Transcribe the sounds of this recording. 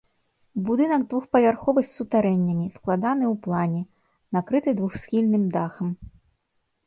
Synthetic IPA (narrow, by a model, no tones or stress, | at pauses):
bud̪ɨnɐɡd̪vuxpɐvʲarxɔvɨsʲsut̪aɾɛnʲːɐmʲisklˠad̪anɨwplˠanʲɛ | nakɾɨt̪ɨd̪vuxsʲxʲilʲnɨmd̪axɐm